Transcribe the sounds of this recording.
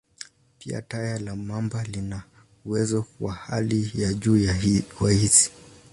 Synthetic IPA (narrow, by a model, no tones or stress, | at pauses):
pia̰tajalamambalina | uwɛzɔwahalijaʄuːwahisi̥